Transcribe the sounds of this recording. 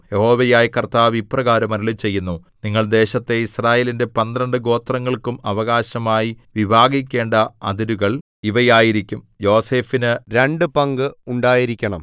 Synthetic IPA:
jeho̞ːʋejaːjkɐrt̪aːʋiprɐɣaːɾɐmɐɾuɭit͡ɕe̞jːunːuniŋːɐɭd̪e̞ːɕɐt̪ːe̞israːje̞ːlinde̞pɐnd̪ɾɐɳɖɨɡo̞ːt̪rɐŋːɐɭkumɐʋɐɣaːɕɐmaːjiʋibʱaːɡik̬ʲːe̞ːɳɖɐɐd̪iɾuɣɐɭ | iʋɐjaːjiɾikʲːum | jo̞ːse̞ːfinɨɾe̞ɳɖɨpɐŋɡɨuɳɖaːjiɾikʲːɐɳɐ̰m

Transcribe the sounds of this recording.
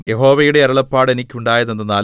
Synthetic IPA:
jeho̞ːʋɐjuɽe̞ɐɾɐɭɐpːaːɽenikʲːuɳɖaːjɐðenːɐnaː

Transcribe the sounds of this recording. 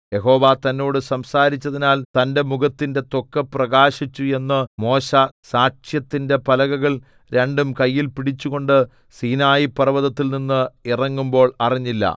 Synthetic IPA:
je̞ɦo̞ːʋat̪ɐnːoːɽɨsɐmsaːɾit͡ɕːɐðinaːlt̪ɐnde̞muɡɐt̪ːinde̞t̪o̞kːɐprɐɣaːɕit͡ɕːue̞nːɨmo̞ːɕɐsaːkʂjɐt̪ːinde̞pɐlɐɣɐɣɐɭ | ɾe̞ɳɖumkɐjːilpiɽit͡ɕːuɣo̞ɳɖɨ | siːnaːjipɐrɐʋɐðɐt̪ːilninːɨirɐŋːumbo̞ːɭɐriɲːilːɐ̰

